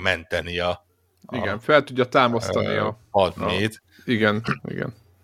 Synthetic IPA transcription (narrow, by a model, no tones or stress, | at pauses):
mɛnt̪ɛniɒ | iɡɛnfɛlt̪uɟːɒt̪aːmost̪ɒnḭɒ̰ | ɒd̪neːt̪ | iɡɛnḭɡɛ̰n